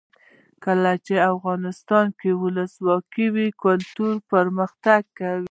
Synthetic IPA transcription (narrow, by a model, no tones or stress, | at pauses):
kəlat͡ʃeafɣɑnɪst̪ɑnkewʊləswɑkiwikʊlt̪uɾpəɾməxt̪aɡ̚kawi